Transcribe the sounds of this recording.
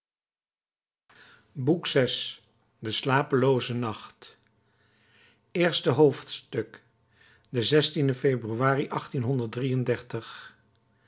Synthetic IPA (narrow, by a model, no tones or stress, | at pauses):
buksɛs | dəslaːpəlowzənɑχt | ɪːɹstəɦowftstɵk | dəzɛstindəfebryʋaːriʔɑχtinɦɔndəɹdrijəndɛɹtəχ